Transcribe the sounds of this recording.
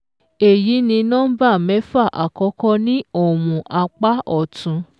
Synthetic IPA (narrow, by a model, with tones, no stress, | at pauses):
e˨ji˨˦nĩ˧nã˦ba˦˨mɛ˨˦fa˦˨ʔa̰˨kɔ˨˦kɔ˦nĩ˦o˦˨mũ˨ʔa˧k͡pa˦ɔ˦˨tʰũ˨˧